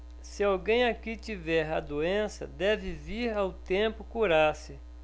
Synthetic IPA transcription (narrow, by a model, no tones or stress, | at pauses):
sɪawɡẽj̃akit͡ʃivɛɾɐd̪oẽsɐ̰d̪ɛvɪviɾawt̪ẽpʊkuɾasɪ